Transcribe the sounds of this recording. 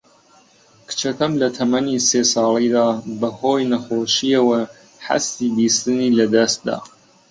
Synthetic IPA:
kɨ̥t͡ʃɐt̪ʰɐmlɐt̪ʰɐmɐniːseːsɑːlˠid̪aːbɐhoːjnɐxoːʃiɐwɐ | ħɐ̰st̪iːbist̪ɨniːlɐd̪ɐst̪̚d̪a̰ː

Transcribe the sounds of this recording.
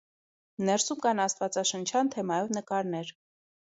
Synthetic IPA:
nɛɾsumkɑnɑst̪vɑt͡sɑʃənt͡ʃʰɑnt̪ʰɛmɑjɔvnəkɑɾnɛɾ

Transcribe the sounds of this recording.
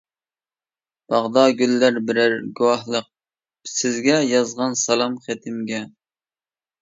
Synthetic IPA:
b̥ɑʁd̪ɑɡʲylːæɾbɪɾæɾɡuwɑhlˠəq̚ | sɪzɡʲɛjɑzʁɑnsɑlˠɑmχɛt̪ʰɪmɡʲɛ

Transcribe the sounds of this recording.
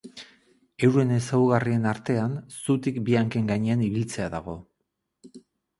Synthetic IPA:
e̞wɾue̞ne̞sawɣarie̞naɾt̪e̞ansut̪ikbiaŋke̞ŋɡaɲe̞aniβ̞ilt͡se̞aða̰ɣ̞o̞

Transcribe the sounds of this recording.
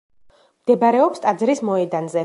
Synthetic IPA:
md̪̥ɛbɾɛɔpst̪ʼad̪zɾismɔɛd̪anzɛ

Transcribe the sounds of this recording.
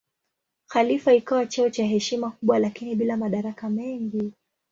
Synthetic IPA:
xalifaikawat͡ʃaɔt͡ʃaɦɛʃimakuɓwalakiniɓilamaɗaɾakamɛŋɡi

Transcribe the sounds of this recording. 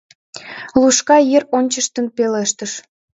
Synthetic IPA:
luʃkɑjeronʲt͡ɕəʃt̪ənpeleʃt̪əʃ

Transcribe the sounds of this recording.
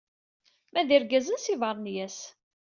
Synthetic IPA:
mæðiɾɡæzənsivɑɾˤnjæs

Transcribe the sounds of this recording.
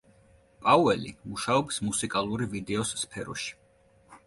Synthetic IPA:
pʼauɛlimuʃaɔpsmusikʼalˠuɾivid̪ɛɔsːpʰɛɾɔ̰ʃi̥

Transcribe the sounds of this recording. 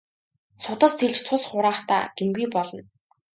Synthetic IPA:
sʊt̪ə̆st̪ʰeɮt͡ɕt͡sʰʊsχʊɾaːχt̪a̰ːɡ̥emɡujpɔɮɞ̆n

